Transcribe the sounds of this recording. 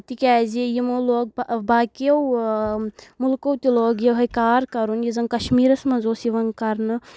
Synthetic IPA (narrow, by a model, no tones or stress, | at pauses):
t̪ikʲaːzijimoloːɡ̚baːkijɐw | mulkowt̪ʲiloːɡjewɦɐjkaːɾkɐɾunjizɐnkɐʃmiːɾɐsmɐ̃zoːsiʋɐnkɐɾnɨ